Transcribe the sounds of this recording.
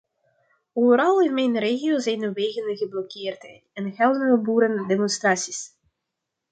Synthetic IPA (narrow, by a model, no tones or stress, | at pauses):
oəɾɑlˠɪnmɛjnreːɣiowzɛjndəʋejɣəndəɣəblɔkɪːrtə | ɛnɣɛlˠdənəbuːɾəndemɔnstraːsis